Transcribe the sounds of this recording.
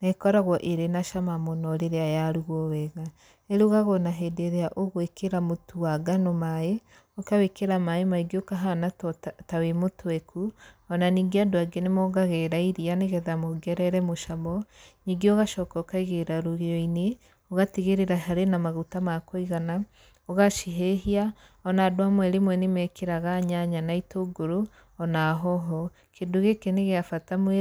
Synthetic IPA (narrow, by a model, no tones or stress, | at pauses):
nekɔɾaɣwɔʔeɾenaʃamamonɔɾeɾeajaɾuɣɔwɛɣa | eɾuɣaɣonaɦɛdeɾeaʔoɣwekʰeɾamotʰuaɡanomaje | okawekeɾamaemaiɡeokaɦanatawemotowɛkuɔnaniɡeadoaɡenemɔɡaɣɛɾaiɾianeɣɛðamoɡɛɾɛɾɛmoʃamɔɲiɡeoɣaʃɔkɔkaiɣeɾaɾoɣiɔine | oɣateɣeɾeɾaɦaɾenamaɣutamakɔiɣana | oɣaʃiɦeɦia | ɔnaːdwamwɛɾemwɛnemɛkʰeɾaɣaɲaɲanaitoɡoɾo | ɔnaɦɔɦɔ | kendoɣekeneɣeafatamwɛ